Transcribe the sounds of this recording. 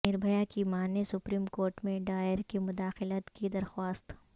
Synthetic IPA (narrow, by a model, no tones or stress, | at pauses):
ɪɾbʱɐjakimaːnesʊpɾiːmkoːɾʈmẽɖaːjəɾkimʊd̪aːxɪlət̪kid̪ɐɾxwaːst̪